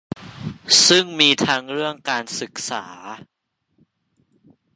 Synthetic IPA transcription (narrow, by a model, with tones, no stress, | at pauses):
sɯ˥˩ŋmiː˧t̪ʰa˦˥ŋɾɯ˥˩əŋkaː˧nsɯ˨˩k̚sa̰ː˩˦